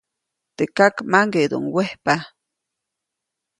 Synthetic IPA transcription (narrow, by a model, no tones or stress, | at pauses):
t̪ekakmaŋɡed̪o̰ŋwehpa